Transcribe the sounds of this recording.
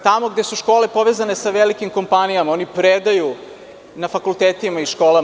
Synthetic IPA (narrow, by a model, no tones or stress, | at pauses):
t̪amo̞ɡd̪e̞suʃko̞ːle̞po̞ʋezane̞saʋelikimko̞mpanijamao̞nipɾed̪aju | nafakulˠt̪eːt̪imaiʃko̞ːla